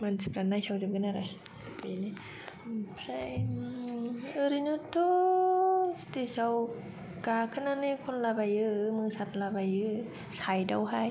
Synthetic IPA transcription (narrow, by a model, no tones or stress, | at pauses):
mansʰipɾanːajsʰawzɯp̚ɡɯnaɾa | pajni | pʰɾaj | ɯɾinutʰːo | st̪esaw | kakʰɯnanikʰonlabajɯmɯsat̪̚labajɯ | sajdawɦaj